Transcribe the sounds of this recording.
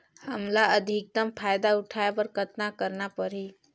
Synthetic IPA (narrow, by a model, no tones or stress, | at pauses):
həmlaəd̪ʱik̚d̪əmpʰaːjd̪aʊʈʰaepəɾkət̪nakəɾnapəɾi